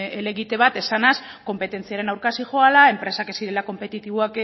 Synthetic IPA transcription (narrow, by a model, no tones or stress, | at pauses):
ele̞ɣit̪e̞β̞at̪e̞sanasko̞mpe̞t̪e̞nt͡siaɾe̞nawɾkasiʝo̞alae̞mpɾe̞sake̞siɾe̞lako̞mpe̞t̪it̪iβoak